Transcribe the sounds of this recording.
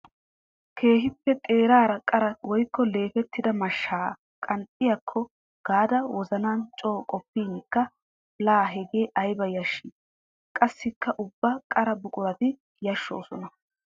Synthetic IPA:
kʰe̞ːɦɪpːɛt̪ʼe̞ːɾaːɾɐkʼɐɾɐwɔjkːɔle̞ːfɛt̪ʰːɪd̪ɐmɐʃːaː | kʼɐnt̪ʼːɪjɐkʰːɔ | ɡ̥aːd̪ɐwɔzɐnaːnt͡ʃʼo̞ːkʼɔpːiːnkːɐ | laːɦɛɡe̞ːʔɐjbɐjɐʃːi | kʼɐsːɪkːɐʔʊbːɐkʼɐɾɐbʊkʼʊɾɐt̪ɪ | jɐʃːo̰ːsɔnɐ

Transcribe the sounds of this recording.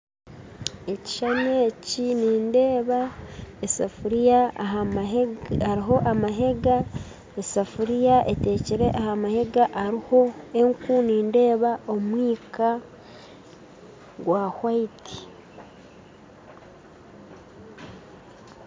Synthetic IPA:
e̞ci̥ʃaneːciniːnde̞ːβaesafuɾijaːɦa | aɾiɦo̞ʔamaɦe̞ɡa | esafuɾijaʔe̞te̞ːciɾe̞ʔahamahe̞ɡaʔaɾiho̞e̞ŋkuniːnde̞ːβaʔo̞mwiːka | ɡwahwaitʰi̥

